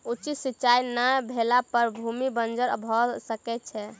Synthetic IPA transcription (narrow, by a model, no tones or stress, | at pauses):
ut͡ʃisit͡ʃajnabʱelapəɾbʱumibənd͡ʒəɾbʱɔsəkɛtt͡ʃʰɛ